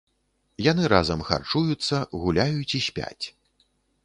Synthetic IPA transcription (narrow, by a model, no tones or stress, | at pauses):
jan̪ɨɾazɐmxa̰rt͡ʂujut̪sːɐɣulʲajut͡sʲisʲpʲa̰t͡sʲ